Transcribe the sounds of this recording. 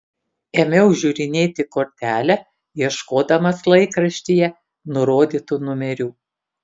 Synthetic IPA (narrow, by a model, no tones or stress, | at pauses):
emʲɛʊʒʲuːɾʲɪnʲeːt̪ʲɪkoːɾʲt̪ʲæːlʲɛ | jiɛʃkoːd̪ɐmɐslˠɐɪkɾɐʃʲt̪ʲijɛ | nʊɾoːd̪ʲiːt̪uːnʊmʲɛɾʲuː